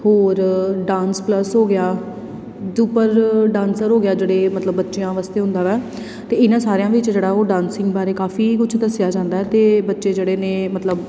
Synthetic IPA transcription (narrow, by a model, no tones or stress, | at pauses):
hoːɾɖãːnspləsɦoːɡɪjaː | duːpəɾɖãːnsəɾɦoːɡɪjaːd͡ʒeːɽeːmət̪ləbːətːʃejãːʋaːst̪eːɦʊ̃nd̪aːʋɛː | t̪eːɪnãːsaːɾejãːʋɪt͡ʃd͡ʒeːɽaːoːɖãːnsɪŋɡbaːɾeːkaːfiːkʊt͡ʃʰd̪əsɪjaːd͡ʒãːnd̪aːɦɛːt̪eːbətːʃeːd͡ʒeːɽeːnẽːmət̪ləb